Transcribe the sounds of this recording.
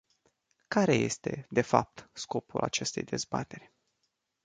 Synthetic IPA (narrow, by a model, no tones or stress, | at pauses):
kaɾe̞je̞̰st̪e̞d̪e̞fa̰p̚t̪sko̞pṵlat͡ʃe̞st̪e̞jd̪e̞zbat̪e̞rʲ